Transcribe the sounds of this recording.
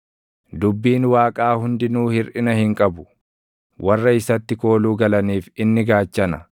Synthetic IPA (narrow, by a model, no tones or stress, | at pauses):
d̪ʊbːiːnwaːkʼaːhʊnd̪ɪnuːhɪɾʔɪnɐhɪŋkʼɐbʊ̥ | wʔɐrːɐɪsɐt̪ːɪko̞ːluːɡɐlɐniːfɪnːɪɡaːt͡ʃːɐnɐ